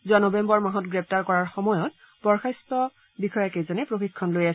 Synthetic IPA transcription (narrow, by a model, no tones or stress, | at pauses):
zuanɔbɛmbɔɹmaɦɔtɡɹɛp̚taɹkɔɹaɹxɔmɔjɔt̚ | b̥ɔɹxajstɔ | bixɔjakejzanɛpɹoxikʰːɔnlojasɛ